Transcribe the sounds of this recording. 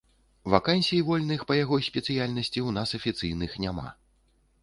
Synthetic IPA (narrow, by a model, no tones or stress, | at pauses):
vakanʲsʲijivɔlʲnɨxpɐjaɣɔjsʲpʲɛt̪sɨjalʲnɐsʲt͡sʲiwnasɐfʲit̪sɨjnɨxnʲama̰